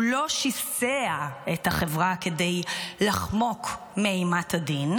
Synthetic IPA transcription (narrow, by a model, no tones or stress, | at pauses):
lo̞ʃiseaethaχevʁake̞de̞jlaχmo̞k | meejmatadin